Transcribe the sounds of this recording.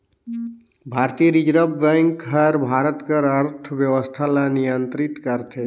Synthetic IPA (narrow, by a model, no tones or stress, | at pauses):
bʱaɾt̪iəɾid͡ʒɾəbːə̃ŋkɦəɾbʱaɾət̪kəɾəɾt̪ʰəbjəwəst̪ʰalanijənt̪ɾit̪kəɾt̪ʰe